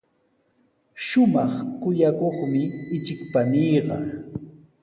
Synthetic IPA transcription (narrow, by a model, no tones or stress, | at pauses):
ʃʊmɑχkʊjakoχmɪɪt͡ʃɪkpaniːɢɑ